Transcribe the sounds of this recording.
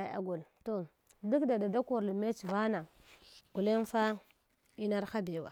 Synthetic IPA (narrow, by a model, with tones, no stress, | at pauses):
a˨a̰˨ɡu˨lto˨ | du˦kda˨da˨da˦ku˨ɾlme˦t͡ʃva˦na˨ | ɡ̥u˨le˦n˦fa˦ | i˦na˦ɾxa˦be˨wa̰˨